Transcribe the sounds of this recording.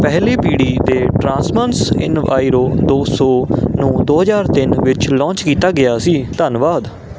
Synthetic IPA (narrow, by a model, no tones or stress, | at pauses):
pɛɦliːpiːɽiːd̪eːʈɾãːsmənsɪ̰nʋa̰ːiɾoːd̪oːsɔːnũːd̪oːɦəzaːɾt̪ɪnʋɪt͡ʃlɔ̃ːnt͡ʃkiːt̪aːɡɪaːsiːt̪ənʋaːd̪